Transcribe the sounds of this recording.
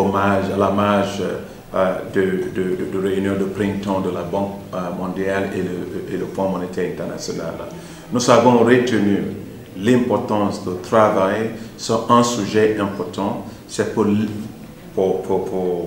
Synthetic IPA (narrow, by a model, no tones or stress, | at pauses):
ɔmaʒalamaʒ | d̪əd̪əddəɾeynjɔ̃d̪əpɾɛ̃nt̪ɑ̃d̪əlabɑ̃k̚mɔ̃d̪jaleləeləfɔ̃mɔnet̪ʰɛʁɛ̃nt̪ɛʁna̰sjɔna̰l | nuzavɔ̃ʁet̪ənyʁ | lɛ̃pɔʁt̪ɑ̃sd̪ət̪ɾavajsyʁɛ̃syʒɛʔɛ̃pɔʁt̪ʰɑ̃ | sɛpul | pupʰupu